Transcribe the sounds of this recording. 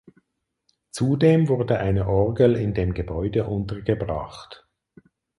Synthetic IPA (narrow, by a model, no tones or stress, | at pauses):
t͡sudeːmvʊɐdəʔaɪnəʔɔʁɡəl̩ɪndeːmɡəbɔʏdəʔʊntəɡəbʁɑ̰χt